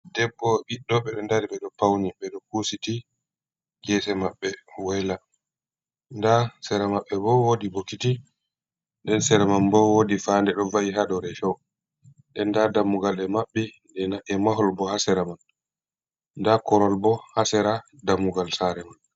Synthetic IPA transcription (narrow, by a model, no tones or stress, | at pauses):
dɛbːɔɓiɗːɔɓɛɗɔndaɾiɓɛɗɔpawniɓɛɗɔkusiti | ɡɛsɛmaɓːɛwɛla | ndasɛɾamaɓːɛbɔwodibokːiti | ndɛnsɛɾɛmanbɔwodifandɛɗɔvajiɦadɔɾɛfɔw | ɗɛndadamːuɡalɛmaɓːɛ | dɛnaʔɛmaɦɔlbɔhasɛɾaman | ndakɔɾɔlbɔhasɛɾadamːuɡalsaɾɛman